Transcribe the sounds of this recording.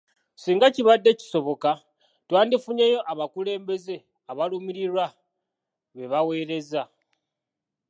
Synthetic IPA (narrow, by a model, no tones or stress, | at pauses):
siːŋɡaciβadːe̞ci̥so̞βo̞ka | twaːndifuɲejo̞ʔaβakule̞ːmbe̞ze̞ | aβalumiɾiɾwa | βe̞βawe̞ːɾe̞za